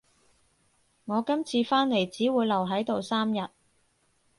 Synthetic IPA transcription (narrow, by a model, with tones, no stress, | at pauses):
ŋɔː˨˧kɐ˥mt͡sʰiː˧faː˥nle˨˩jt͡siː˨˥wuː˨˧jlɐ˨˩wɦɐ˨˥jt̪o˨wsaː˥mjɐ˨t̚